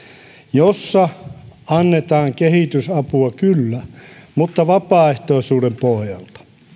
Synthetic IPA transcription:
josːɑɑnːet̪ɑːŋkehit̪ysɑpuɑkylːæmut̪ːɑʋɑpɑːeht̪oˑisuːdempohjɑ̰lt̪ɑ̥

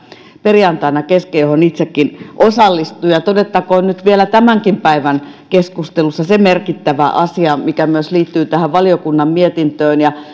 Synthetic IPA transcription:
periɑnt̪ɑinɑkeskejohonit̪sekːinʔosɑlːist̪ujɑt̪odet̪ːɑkoːnnyt̪ʋielæt̪æmæŋkimpæiʋæn | keskust̪elusːɑsemerkit̪ːæʋæ̰ʔɑsiɑmikæmyøsliːt̪ːyːt̪æhæʋʋɑliokunːɑmmiet̪int̪øːnjɑ

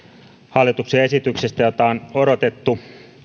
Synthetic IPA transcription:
hɑlːˑit̪uksiɑe̞sit̪yksest̪æjot̪ɑnoɾo̞t̪et̪ːu

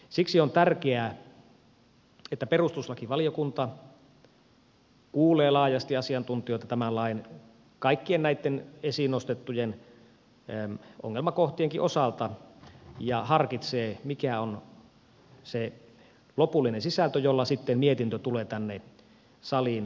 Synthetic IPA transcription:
siksiont̪ærkeæː | et̪ːæperust̪uslɑkiʋɑlijokunt̪ɑ | kuːleːlɑːjɑst̪iɑsiɑnt̪unt̪ioˑt̪ːɑt̪æmælɑˑin | kɑikːiennæit̪ːenesinost̪et̪ːujen | ʔo̰ŋːelmɑkoht̪ieŋkiʔosɑlt̪ɑ | jɑhɑrkit̪seːmikæon | se | lopulːinensisælt̪øjolːɑsit̪ːemmiet̪int̪øt̪uleːt̪ænːe | sɑlin

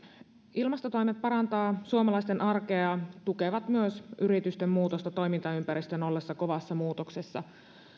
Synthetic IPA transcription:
ilmɑst̪o̞t̪o̞jmet̪̚pɑɾɑnt̪ɑːsuomɑlɑjst̪enʔɑrke̞ɑt̪uke̞ʋɑt̪myøsʔyɾit̪yst̪emːmuːt̪o̞st̪ɑt̪o̞jmint̪ɑympæɾist̪ø̞no̞lːesːɑko̞ʋɑsːɑmuːt̪o̞kse̞sːɑ

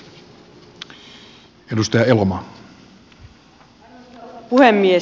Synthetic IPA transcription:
edust̪ɑjɑelomɑ | puhemːie

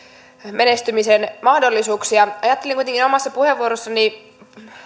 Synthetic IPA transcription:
menest̪ymisenmɑhdolːisuːksiɑɑjɑt̪ːeliŋkujt̪eŋkinomɑsːɑpuheʋːuoɾosːɑni

